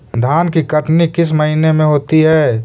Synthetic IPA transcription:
d̪ʱaːnkikəʈnikɪs̬məɦinemẽɦoːt̪iɦɛː

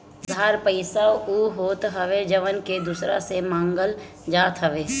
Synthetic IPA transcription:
d̪ʱaːɾpəɪsauːɦoːt̪ɦəʋed͡ʒəʋənked̪ʊsɾa̰semãːŋɡəl | d͡ʒaːt̪ɦəʋeː

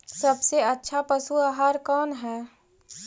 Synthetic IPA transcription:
sɐbseɐtːʃʰapəsuaːɦaːɾkɔːnɦɛː

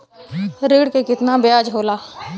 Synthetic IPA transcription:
ɾiːɽkekɪt̪nabjaːd͡ʒɦoːlaː

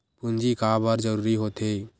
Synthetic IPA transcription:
pund͡ʒikabəɾd͡ʒəɾuːɾiɦot̪e

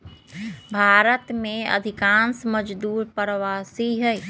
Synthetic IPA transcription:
bʱaɾət̪meə̰d̪ʱikãnsməd͡ʒd̪uːɾpɾʋasiɦəj

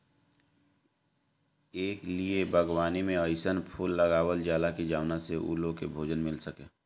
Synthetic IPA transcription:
eːkliebʱəɡwaːnimẽəɪsənpʰuːlːəɡaːwəld͡ʒaːlakid͡ʒaːʋnaseʔṵːlõkebʱoːd͡ʒənmɪlsəkeː

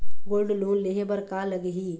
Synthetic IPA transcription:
ɡoːlɖluːnleɦebəɾkaːləɡɦiː

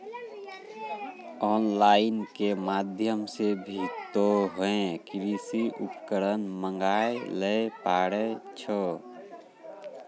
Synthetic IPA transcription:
ɔːnlaːɪnkemad̪ʱjəmsebʱit̪oɦoẽkɾisiʔupkəɾənməŋɡajeləpaːɽet͡ʃʰə

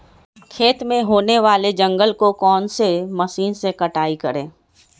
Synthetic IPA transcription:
kʰeːt̪mẽɦoːneʋaːled͡ʒə̃ŋɡəlkokɔːnseməʃiːnsekəʈaːikəɾḛ̃ː

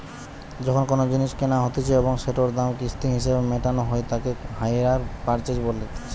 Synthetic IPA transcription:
d͡ʑɔkʰonkonod͡ʑiniʃkenaɦot̪et͡ɕʰeeboŋʃeʈoɾd̪amkist̪iɦiʃebemeʈanoɦoet̪akehajɾaɾpaɾt͡ɕed͡ʑbolːet̪ʰ

